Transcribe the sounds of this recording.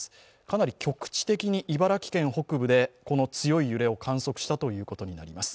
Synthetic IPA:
ɨ̥ | kanaɾʲikʲo̞kɯ̟̥t͡ɕi̥t̪e̞kʲiɲ̟iʔibaɾakʲi̥kẽ̞ɰ̃ɦo̞kɯ̟bɯ̟d̪e̞ko̞no̞t͡sɨjo̞ijɯ̟ɾe̞o̞kʰãɰ̃so̞kɯ̟̥ɕi̥t̪at̪o̞jɯ̟ːko̞t̪o̞ɲ̟ina̰ɾʲimasɨ̥

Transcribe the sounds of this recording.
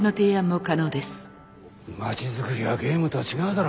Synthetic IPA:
no̞t̪e̞ːãmːo̞kano̞ːd̪e̞sɨ̥ | mat͡ɕizɨkɯ̟ɾʲiβaɡe̞ːmɯ̟t̪oat͡ɕiɡaɯ̟d̪aɾ

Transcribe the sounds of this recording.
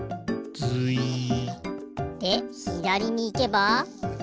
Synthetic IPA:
t͡sɨi | d̪̥e̞çid̪aɾʲiɲ̟iːke̞ba

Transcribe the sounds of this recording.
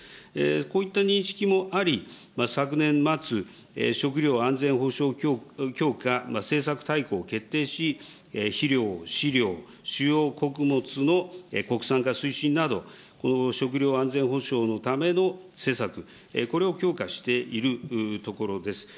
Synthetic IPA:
eko̞ːit̪ːaɲ̟ĩɰ̃ɕi̥kʲimo̞ʔaɾʲi | masakɯ̟nẽ̞mːat͡sɨ | ḛɕo̞k̬ɯ̟ɾʲo̞ːãnd͡zẽ̞ɰ̃ɦo̞ɕo̞ːkʲo̞ːkamase̞ːsakɯ̟̥t̪aiko̞ːke̞t̪ːe̞ːɕi | eçiɾʲo̞ːɕiɾʲo̞ː | ɕɨjo̞ːko̞kɯ̟mo̞t͡sɨno̞eko̞kɯ̟̥sãŋkasɨiɕĩnːad̪o̞ | ko̞no̞ɕo̞k̬ɯ̟ɾʲjo̞ːãnd͡zẽ̞ɰ̃ɦo̞ɕo̞ːno̞t̪ame̞no̞se̞ːsakɯ̟ | ḛko̞ɾe̞o̞kʲo̞ːkaɕi̥t̪e̞ʔiɾɯ̟t̪o̞ko̞ɾo̞d̪e̞sɨ̥

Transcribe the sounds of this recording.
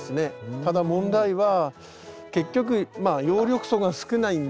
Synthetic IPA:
sɨne̞t̪ad̪amõ̞nd̪aiβa | ke̞kʲːo̞k̬ɯ̟majo̞ːɾʲjo̞kɯ̟̥so̞ɡasɨ̥kɯ̟naĩn

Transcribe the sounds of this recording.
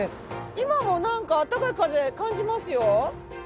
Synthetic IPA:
imamonãŋkaːt̪ːakaɯkazekãɲd͡ʑimasɨjo

